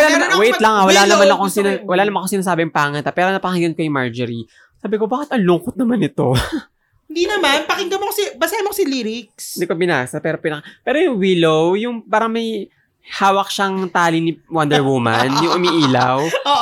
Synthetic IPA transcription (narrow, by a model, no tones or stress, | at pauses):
wɐlamawɛjt̪lɐŋawɐlanɐmanɐkoŋsɪnawɐlaːnɐmanʔkoŋsɪnaːs̬aːbɪɐŋpaŋɐnt̪ɐpɛːɾonɐpɐkɪŋɡɐnkɐjʊŋmaɹd͡ʒɛɾi | saːbɪko̞baːkɪt̪ɐŋlʊŋkot̪̚nɐmanɪt̪o̞ | hɪnd̪iːnɐmanpɐkɪŋɡɐmokɐsibɐsaːhɐnmokosiliɾɪk̚sd̪ikobɪna̰ːsɐpɛːɾopɪnɐkapɛːɾojʊŋwiːlowjʊŋpaːɾɐŋmɐj | haːwɐk̚ʃaŋt̪aːlinɪwɐnd̪ɛɹwuma̰njʊŋʔʊmiʔiːlɐwo